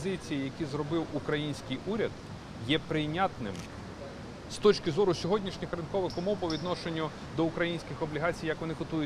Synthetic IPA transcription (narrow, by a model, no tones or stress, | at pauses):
zɪt͡sʲijijɐkʲizɾɔbɪwukɾɐjinʲsʲkɪjʔuɾʲɐd̪̥ | jɛpɾɪjnʲat̪nɪm | st̪ɔt͡ʃkɪzɔɾʊsʲɔɦɔdʲnʲiʃnʲɪxrɪnkɔʋɪxɔmɔwpɔʋʲid̪nɔʃenʲːʊ | d̪ɔʊkɾɐjinʲsʲkʲɪxɔblʲiɦɑt͡sʲijɐkʋɔnɪkʊt̪ujʊ